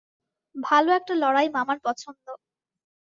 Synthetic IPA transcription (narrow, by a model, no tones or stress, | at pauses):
bʱaloɛk̚ʈalɔɽajmamaɾpɔt͡ɕʰond̪o